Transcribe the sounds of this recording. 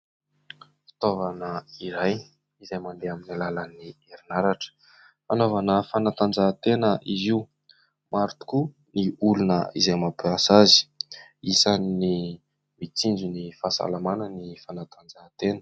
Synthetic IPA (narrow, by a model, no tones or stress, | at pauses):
fi̥t̪ovanəiɾaj | izajmand̪eaminalalanieɾinaɾaʈ͡ʂə̥ | fanovanəfanat̪and͡zat̪enəʔiziu | maɾut̪u̥ku | niulunə̰izajmapeasazi̥isanni | mit͡sind͡ʒunifasa̰lamananifanat̪and͡zat̪enə̥